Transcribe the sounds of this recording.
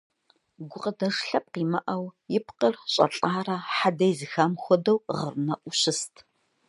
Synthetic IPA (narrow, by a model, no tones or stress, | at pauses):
ɡʷʊqʼɐdɐʂɬɐp̚qiːmɐʔɐwjɪpqərɕʼɐ̰ɬʼaːrɐħadɐjzɨxamxʷɔdɐwʁə̰rnɐʔʷʊɕɪstʰ